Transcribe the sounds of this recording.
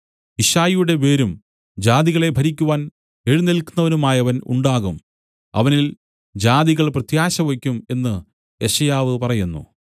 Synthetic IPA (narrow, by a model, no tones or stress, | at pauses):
iʂaːjjuɽe̞ʋe̞ːɾum | d͡ʑaːðiɣɐɭe̞bʱɐɾikʲːuʋaːn | eɻunilkːunːɐʋɐnumaːjɐʋɐnṵɳɖaːɣum | ɐ̰ʋɐnil | d͡ʑaːðiɣɐɭprɐt̪jaːɕɐʋekʲːume̞nːɨ | e̞ʂɐjaːʋɨpɐrɐjunːṵ